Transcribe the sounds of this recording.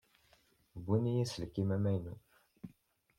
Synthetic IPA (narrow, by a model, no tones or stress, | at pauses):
bunijæsəlkːimæmæjnṵ